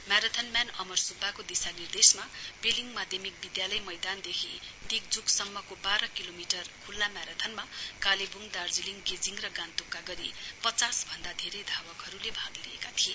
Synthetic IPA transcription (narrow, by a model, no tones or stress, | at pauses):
maɾat̪ʰʌnmjanʌmʌrsubːakod̪isanird̪esmapeliŋɡmad̪ʱjemik̚bid̪jalʌjmʌjd̪and̪ekʰid̪ik̚d͡zuksʌmːʌkobaɾʌkilomiʈʌrkʰulːamaɾat̪ʰʌnmakalebuŋd̪ard͡ziliŋɡed͡ziŋrʌɡant̪okːaɡʌɾipʌt͡sasbʱʌnd̪ad̪ʱeɾʌjd̪ʱabʌkɦʌɾulebʱad̪lḭḛkat̪ʰie